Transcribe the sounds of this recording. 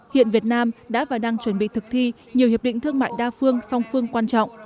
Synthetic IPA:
hḭ˧˨ənvi˨˩ət̚naː˧mɗa̰ː˧˥vaː˨˩ɗaː˧ŋt͡ɕwə˧˩nɓḭ˧˨t̪ʰɨ˨˩k̚t̪ʰi˧ | ɲi˨˩hi˨˩p̚ɗḭ̈˧˨ŋ̟t̪ʰɨ˧əŋma̰ː˧˨jɗaː˧fɨ˧əŋsa˧wŋ͡mfɨ˧əŋkwaː˧nt͡ɕɔ̰˧˨wŋ͡mʔ

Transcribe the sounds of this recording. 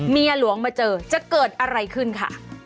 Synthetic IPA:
miː˧a˧lu˨˩˦əŋmaː˧t͡ɕɤː˧t͡ɕa˨˩kɤː˨˩t̪̚ʔa˧ɾa˧jkʰɯ˥˩nkʰa̰˥˩

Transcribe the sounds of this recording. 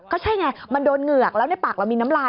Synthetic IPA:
kɔː˥˩t͡ɕʰa˥˩jŋa˧jma˧ndoː˧nŋɯ˨˩ɐ˩k̚lɛː˦˥wna˥˩jpaː˨˩k̚ɾa˧wmiː˧na˦˥mlaː˧

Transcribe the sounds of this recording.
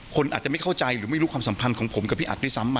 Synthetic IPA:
kʰo˧nʔaː˨˩t̪̚a˨˩m˥˩jkʰa˥˩wt͡ɕa˧jɾɯː˩˦ma˥˩jɾu˦˥kwaː˧msa˩˦mpʰa˧nkʰɔː˩˦ŋpʰo˩˦mka˨˩p̚ʰːiː˥˩ʔa̰˨˩t̪̚di˥˩sa˦mːa˧

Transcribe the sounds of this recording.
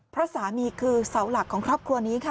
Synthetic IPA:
pʰɾa˦˥saː˩˦miː˧kʰɯː˧sa˩˦wla˨˩kʰːɔː˩˦kʰɾɔː˥˩p̚kʰɾu˧ɐniː˦˥kʰa˦˥˩

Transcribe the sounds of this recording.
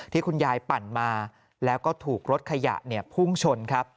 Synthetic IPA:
t̪ʰiː˥˩kʰu˧njaː˧jpa˨˩nmaː˧ | lɛː˦˥wkɔː˥˩t̪ʰuː˨˩k̚ɾo˦˥t̪̚kʰa˧ja̰˨˩ʔni˥˩ɐpʰu˥˩ŋt͡ɕʰo˧nkʰa˦˥p̚

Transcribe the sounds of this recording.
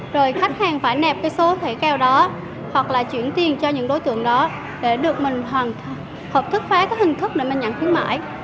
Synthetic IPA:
zo˨˩jxa˦˥jk̟̚haː˨˩ŋfaː˧˩jnɛ˨˩p̚kaː˨˦jso˨˦t̪ʰe˧˩kɛː˧wɗɔ˨˦ | hwa˨˩k̚laː˨˩t͡ɕwḭ˧˩˨ənt̪i˨˩ənt͡ɕɔ˧ɲɨ̰˧˥ŋɗo˨˦jt̪ɨ̰˧˨əŋɗɔ˨˦ | ɗe˧˩ɗɨ˨˩ək̚mï˨˩ŋ̟ɦwaː˨˩nʰ˧ | həː˨˩p̚t̪ʰɨ˦˥k̚faː˨˦kaː˨˦khï˨˩ŋ̟t̪ʰɨ˦˥k̚ɗe˧˩mi˨˩ŋɲa̰˧˩ŋxwi˨˦ənma̰ː˧˥˨j

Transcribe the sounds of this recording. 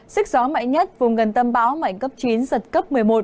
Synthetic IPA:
sï˦˥k̚zɔ˨˦ma̰˧˨jɲə˦˥t̚vʊ˨˩ŋ͡mɣə˨˩nt̪ə˧mɓaː˨˦wma̰˧˨jŋkə˦˥p̚t͡ɕi˨˦nzə˨˩t̚kə˦˥p̚mɨ˨˩əjmo˨˩t̚

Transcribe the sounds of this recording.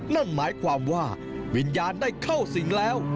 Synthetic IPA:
na˧˩ŋmaː˨˦jkʰwaː˨˩mkwaː˧˩ | wḭ˨˩˥njaː˨˦nɗaː˧˩jkʰə˧˩wsi˨˦ŋlɛː˨˦˥w

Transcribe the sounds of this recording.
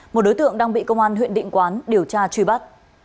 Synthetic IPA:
mo˨˩t̚ɗo˨˦jt̪ɨ̰˧˨əŋɗaː˧ŋɓḭ˧˨kə˧wŋ͡mʔaː˧nɦwḭ˧˨ənɗḭ˧˨ŋkwaː˨˦nɗi˧˩əwt͡ɕaː˧t͡ɕwi˧˩ɓa˦˥t̚

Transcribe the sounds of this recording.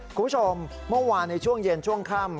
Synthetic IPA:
kʰuː˧pʰt͡ɕʰo˧mː | ɯ˥˩waː˧nːa˧jt͡ɕʰu˥˩əŋje˧nt͡ɕʰu˥˩əŋkʰaː˥˩m

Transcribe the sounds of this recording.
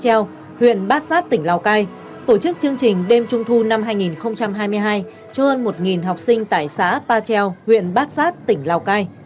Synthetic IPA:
t͡ɕɛ˧w | hwḭ˧˨ənɓaː˦˥t̚saː˦˥t̚t̪ï˧˩ŋ̟laː˨˩wkaː˧j | t̪o˧˩t͡ɕɨ˦˥k̚t͡ɕɨ˧əŋt͡ɕï˨˩ŋ̟ɗe˧mt͡ɕʊ˧ŋ͡mt̪ʰu˧na˧mɦaː˧jŋi˨˩nxə˧wŋ͡mt͡ɕa˧mɦaː˧jmɨ˧əjɦaː˧j | t͡ɕɔ˧həː˧nmo˨˩t̚ŋi˨˩nɦa˨˩wk͡p̚sï˧ŋ̟t̪a̰ː˧˨jsa̰ː˧˥paː˧t͡ɕɛ˧whwḭ˧˨ənɓaː˦˥t̚saː˦˥t̚t̪ï˧˩ŋ̟laː˨˩wkaː˧j

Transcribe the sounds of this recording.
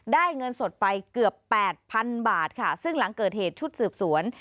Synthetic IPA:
daː˥˩jŋɤ˧nso˨˩t̪̚pa˧jkɯ˨˩əpːɛː˨˩t̪̚pʰa˧nbaː˨˩t̪̚kʰa˥˩sɯ˥˩ŋla˩˦ŋkɤː˨˩t̪̚heː˨˩t̪̚t͡ɕʰu˦˥t̪̚sɯː˨˩p̚su˩˦ən

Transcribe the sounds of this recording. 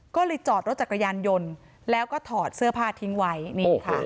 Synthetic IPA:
kɔː˥˩le˧t͡ɕɔː˨˩t̪̚ɾo˦˥t̪̚t͡ɕa˨˩kːa˧jaː˧njo˧n | lɛː˦˥wkɔː˥˩t̪ʰɔː˨˩t̪̚sɯ˥˩ɐpʰaː˥˩t̪ʰi˦˥ŋwa˦˥jniː˦˥˩kʰa̰˥˩

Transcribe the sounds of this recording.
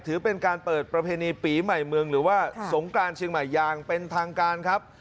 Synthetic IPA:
t̪ʰɯː˨˩˦pe˧nkaː˧npɤː˨˩t̪̚pɾa˧pʰeː˧niː˧piː˩˦ma˨˩jmɯ˧əŋɾɯː˩˦waː˥˩so˩˦ŋkɾaː˧nt͡ɕʰi˧ŋma˨˩jːaː˧˩ŋpe˧nt̪ʰaː˧ŋkaː˧nkʰa˦˥p̚

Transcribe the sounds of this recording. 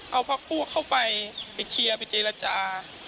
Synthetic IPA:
ʔa˧˩wpʰa˧˥˩k̚puː˥˩ɐkʰːa˧˥˩wpa˨˧jpa˨jkʰi˧ɐpa˨˩jt͡ɕeː˧la˧t͡ɕaː˧

